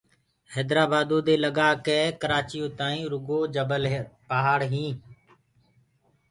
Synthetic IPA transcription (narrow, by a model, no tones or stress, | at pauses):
hɛːd̪ɾaːbaːd̪õːd̪eːləɠaːkeːkəɾaːt͡ʃɪjõːt̪aːĩːɾʊɡoːd͡ʒəbəlpaːɦaːɽɦĩː